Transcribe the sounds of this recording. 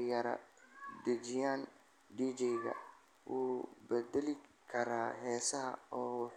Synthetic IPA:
jɐɾɐ̰d̪ɐt͡ʃɪjaːn | ɖiːd͡ʒɛjɣɐ̰ | ʔuːbɛd̪ɛlɪkʰɐɾaːɦɛːsɐɦɐ̰ɔːwɑħ

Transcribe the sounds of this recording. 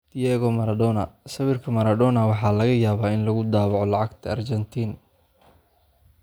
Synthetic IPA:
d̥̪jɛːɣɔmɐɾɐd̪ɔːnɐsɐβɪrkʰɐmɐɾɐd̪ɔːnɐwɑħɑːlɐɣɐjaːβaːɪnlɐɣʊd̪aːβɑʕɔlɑʕɑɡt̪ʰɐɐrt͡ʃɛnt̪ʰiːn

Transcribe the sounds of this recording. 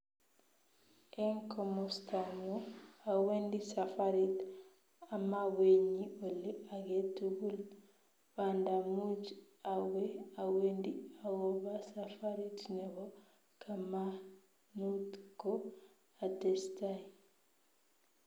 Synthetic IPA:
ʔɛŋkɔmɔstamuawendisafaɾit | amaweɲiolːiaɡetuɡul | bandamud͡ʒ | awɛawendiaɡɔbasafaɾitnɛɡɔ | kʰama | nutkɔ | adɛstaj

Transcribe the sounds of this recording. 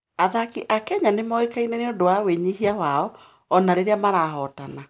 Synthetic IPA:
aðakiʔakɛɲanemɔekainɛneodowaweɲiɦiawaɔ | ɔnaɾeɾeamaɾaɦɔtana

